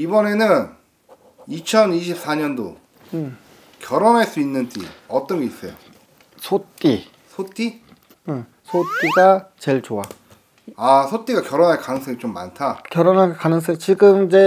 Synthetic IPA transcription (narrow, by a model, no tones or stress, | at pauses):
ibʌne̞nɯn | it͡ɕʰʌniɕʰip̚s͈ʰaɲʌndo̰ | ɯ | kjʌɾʌnɦaɭs͈uinːɯnt͈ʰḭʌt͈ʌnɡe̞is͈ʌjo | sʰot͈i | sʰot͈i | ɯ | sʰot͈iɡat͡ɕe̞ɭt͡ɕoa | asʰot͈iɡakjʌɾonɦaɭkaŋsʰeɡit͡ɕomːa̰ntʰakjʌɾonɦakanɯnsʰʌt͡ɕiɡɯmid͡ʑe̞